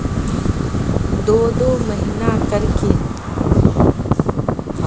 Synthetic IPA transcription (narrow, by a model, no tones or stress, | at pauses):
d̪oːd̪oːməɦinaːkəɾkeː